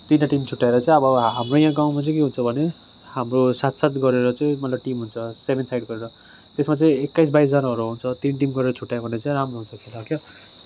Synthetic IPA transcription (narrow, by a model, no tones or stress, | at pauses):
t̪inaʈimt͡sʰuʈːaeɾʌt͡sãĩʌbʌɦamrojãɡaw̃mat͡sʌĩkeɦunt͡sʰʌbʱʌne | hamrosat̪sat̪ɡʌɾeɾʌt͡sʌĩmʌt̪labʈimɦunt͡sʰʌsebʱensajɖɡʌɾeɾʌ | t̪esmat͡sʌĩekːajs̬bajs̬d͡zʌnaʌɾuɦunt͡sʰʌt̪inʈ̬imɡʌɾeɾʌt͡sʰuʈːajbʱʌneʌt͡saĩɾamroɦunt͡sʰʌkʰelakja